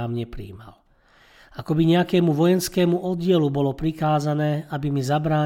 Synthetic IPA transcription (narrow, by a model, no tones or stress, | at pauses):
aːmɲɛpɾḭːma̰l | akɔbiɲɛakɛːmuʋɔjɛnskɛːmuʔɔd̪ɪɛlubɔlɔpɾikaːzanɛːabimizabɾaː